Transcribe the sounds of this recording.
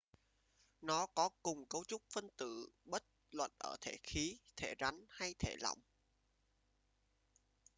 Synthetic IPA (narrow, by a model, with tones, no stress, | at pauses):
nɔ˨˦kɔ˨˦kʊ˨˩ŋ͡mkə˨˦wt͡ɕʊ˦˥k͡p̚fə˧nt̪ɨ̰˧˩˨ɓə˦˥t̚lwə̰˧˨nʔəː˧˩t̪ʰe˧˩xi˨˦t̪ʰe˧˩za˨˦ŋha˧jt̪ʰe˧˩lɔ̰˧˨wŋ͡m